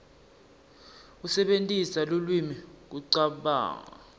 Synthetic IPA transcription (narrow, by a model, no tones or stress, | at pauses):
usɛɓentʼisalulwimik̬uǀaɓa̰ːŋa